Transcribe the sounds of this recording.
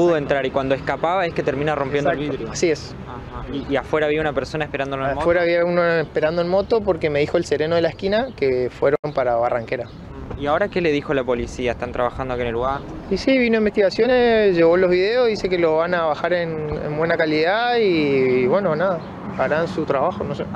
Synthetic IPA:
puðoent̪ɾaɾikwand̪oeskapaβae̞hket̪eɾmĩnaro̞mpjend̪olβiðɾjasies | aiːafwe̞ɾaβiaunapeɾso̞naehpeɾand̪olomfwe̞ɾaβiaunoespe̞ɾand̪oenmo̞t̪o̞p̬oɾke̞me̞ðixoelse̞ɾeno̞ðelaehkinakefweɾompaɾaβaraŋkeɾa | iao̞ɾake̞le̞ðixoalapo̞lisiaeht̪ant̪ɾaβaxand̪oakienelːuɣaɾisiβinoẽmbest̪iɣasjo̞neʒeɣo̞lo̞zβiðeozðisekelo̞βanaβaxaɾenḛmbwenakaliðaiβwe̞nonaða | aɾansut̪ɾaβaxonose

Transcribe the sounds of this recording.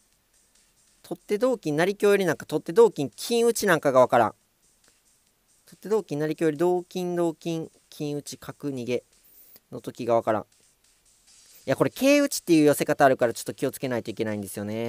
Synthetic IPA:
t̪ʰo̞t̪ːe̞d̪o̞ːkʲĩnːaɾʲikʲoːjoɾʲinãŋkat̪o̞t̪ːe̞d̪o̞ːkʲĩŋkʲʰĩɰ̃ɯ̟t͡ɕinãŋkaɡaβ̞akaɾã̰ŋ | t̪o̞t̪ːe̞d̪o̞ːkʲĩnːaɾʲikʲjo̞ːjɾʲid̪o̞ːkʲĩnd̪o̞ːkʲĩŋ | kʲʰĩɰ̃ɯ̟t͡ɕi̥kʰakɯ̟ɲ̟iɡe̞ | nʔo̞t̪o̞kʲiɡaβ̞akaɾã̰ɴ | iako̞ɾe̞kʰe̞ːɯ̟t͡ɕi̥t̪ːe̞jɯ̟jose̞kat̪aːɾɯ̟kaɾat͡ɕot̪ːokʲio̞t͡sɨ̥ke̞nait̪o̞ike̞naĩnd̪e̞sɨjo̞ne̞

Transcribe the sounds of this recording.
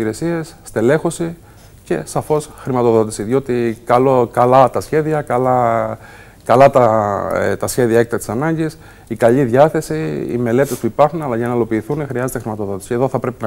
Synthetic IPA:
iɾe̞sie̞sːt̪e̞le̞xo̞si | ce̞̰sɐfo̞sxɾimɐt̪o̞ðo̞t̪i̥siðio̞t̪ikɐlokɐlɐt̪ɐsçe̞ðiɐkɐlɐ | kɐlɐt̪ɐ | t̪ɐsçe̞ðiɐe̞k̚t̪ɐt̪i̥sɐnɐɲɟis | ikɐʎiðʝɐθe̞siḭme̞le̞t̪e̞spuipɐɾxunɐlɐʝɐnɐilo̞piːθunexɾiɐze̞t̪exɾimɐt̪o̞ðo̞t̪isie̞ðo̞θɐpɾe̞pinɐ

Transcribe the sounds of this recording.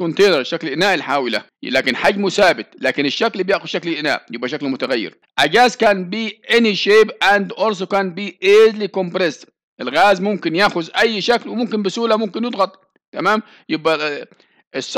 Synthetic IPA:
ʊnt̪eːnɑɾˤʃaklʔɪnaːʔɪlħaːwɪla̰ | laːkɪnħaɡːmʊsaːbɪt̪laːkɪnɪʃːaklbjaʔxʊz̥ʃaklɪʔɪna̰ːʔjɪbʔæʃaklmʊt̪aɣajːɪ̰ɾ | ʔaɡaːskaːnbiːʔeniʃeːbʔand̪ʔoɾs̬okaːnbiːʔezlikompɾɪs | ʔɪlɣaːzmʊmkɪnjaʔxʊzʔajːʃaklwɪmʊmkɪnbɪsuːlamʊmkɪnjɪd̪ˤɣɑt̪ˤ | t̪amaːm | jɪbʔa | ʔɪsˤː

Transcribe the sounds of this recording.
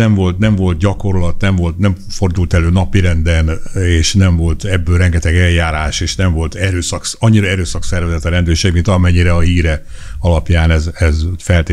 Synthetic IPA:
ɛɱvo̞lt̪nɛɱvo̞lt̪̚ɟɒko̞rlɒt̪nɛɱvo̞lt̪nɛmfo̞rd̪ult̪ɛløːnɒpiɾɛnd̪ɛneːʃnɛɱvo̞lt̪ɛbːøːlrɛŋɡɛt̪ɛɡɛljaːɾaːʃeːʃnɛɱvo̞lt̪ɛɾøːsɒkɒɲːiɾɒɛɾøːsɒksɛrvɛzɛt̪ɒɾɛnd̪øːrʃeːɡmint̪ɒmɛɲːiɾɛɒɦiːɾɛɒlɒpjaːnɛzɛzfɛlt̪eː

